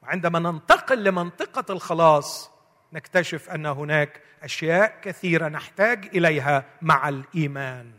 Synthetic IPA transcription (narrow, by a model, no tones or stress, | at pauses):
wɪʕɪnd̪æmanɪnt̪ɑqɪlːɪmɑnt̪ˤɨqɑlxɑlɑːsˤ | nɪkt̪aʃɪfʔanːɦʊnaːk | ʔaʃjaːʔkaθiːɾanɪħt̪aːɡʔɪlajɦamaʕalʔiːmaːn